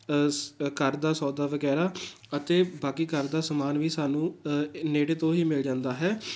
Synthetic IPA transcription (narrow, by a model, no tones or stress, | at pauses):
kəɾd̪aːsɔːd̪aːʋəɡɛːɾaː | ət̪eːbaːkiːkəɾd̪aːsəmaːnʋiːsaːnũːneːɽeːt̪õːɦiːmɪld͡ʒãːnd̪aːɦɛː